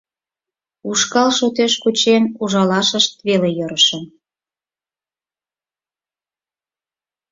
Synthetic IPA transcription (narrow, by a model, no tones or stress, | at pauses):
uʃkɑlʃot̪eʃkut͡ɕenuʒɑlɑʃəʃt̪̚βelejɤɾəʃəm